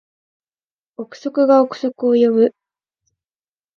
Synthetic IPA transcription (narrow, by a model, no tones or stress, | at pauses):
okɯ̟̥so̞kɯ̟ɡaokɯ̟̥so̞kɯo̞jobɯ̟